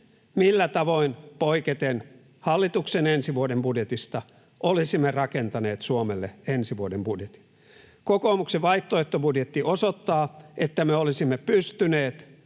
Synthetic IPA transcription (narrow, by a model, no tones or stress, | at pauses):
milːæt̪ɑʋoinpoiket̪en | hɑlːit̪uksenensiʋuodembudjet̪ist̪ɑ | ʔolisimːerɑkent̪ɑneːt̪suomelːeensiʋuodembudjet̪i̥ | kokoːmukseʋɑiht̪ːoet̪ːobudjet̪ːiʔosot̪ːɑːet̪ːæmeolisimːepyst̪yneːt̪